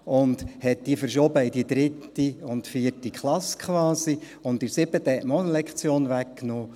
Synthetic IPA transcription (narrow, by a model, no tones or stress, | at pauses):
ʊndhɛt̚d̥ifəɾʃɔbəɪdid̪ɾɪtː | iʊntfiːəɾtikʰχlɑskχʋɑːsi | ʊntiɾsɪb̥ət̪ːəhɛtmɔnlɛkχt͡sjoːnvækːnoː